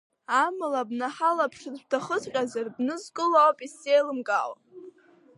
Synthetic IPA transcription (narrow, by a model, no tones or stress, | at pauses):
amɨlabnaħalapʰʂɨdbtʰaχət͡sʰʼqʲʼazarbnɨzkʼɨlawpʼisejlɨmɡʼal